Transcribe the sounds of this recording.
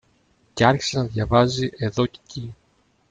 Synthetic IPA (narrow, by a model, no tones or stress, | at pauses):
ceɐɾçi̥senɐðʝɐvɐziʔe̞ðo̞ce̥ci